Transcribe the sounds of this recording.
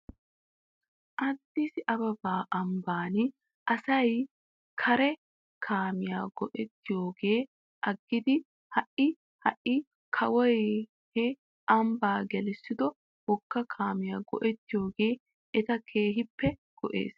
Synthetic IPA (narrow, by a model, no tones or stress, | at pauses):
ʔɐd̪ːisɪʔɐbɐbaːʔɐmbaːn | ʔɐsɐj | kʰɐɾɛ | kʰaːmɪjaːɡɔʔɛt̪ːɪjoːɡe̞ː | ʔɐɡːɪd̪ɪ | hɐʔɪ | hɐʔːɪ | kʰɐwɔj | hɛ | ɐmbaːɡɛlɛsːɪd̪ɔ | wɔkːɐkʰaːmɪjaːɡɔ̰ʔɛt̪ːɪjo̞ːɡe̞ː | ɛt̪ɐkʰe̞ːɦɪpːɛ | ɡ̥ɔʔḛːs